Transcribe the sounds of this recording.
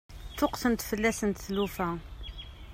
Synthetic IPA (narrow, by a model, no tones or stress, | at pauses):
t̪ʊqsənt̪fəlːæsənt̪θlufæ